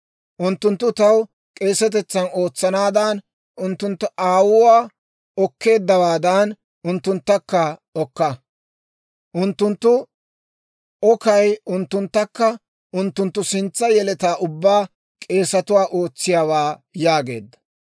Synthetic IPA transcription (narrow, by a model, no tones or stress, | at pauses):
ʔʊnt̪ːʊnt̪ːʊt̪ɐw | kʼe̞ːsɐt̪ɛt͡sːɐno̞ːt͡sːɐnaːd̪aːn | ʔʊnt̪ːʊnt̪ːʊʔaːwʊwaː | ɔkːe̞ːd̪ːɐwaːd̪aːn | ʔʊnt̪ːʊnt̪ːɐkːɐɔkːɐ | ʔʊnt̪ːʊnt̪ːʊ | ʔɔkɐjʊnt̪ːʊnt̪ːɐkːɐ | ʔʊnt̪ːʊnt̪ːʊsɪnt͡sːɐjɛlɛt̪aːʔʊbːaː | kʼe̞ːsɐt̪ʊwaːʔoːt͡sːɪjaːwaːjaːɡe̞ːd̪ːɐ̥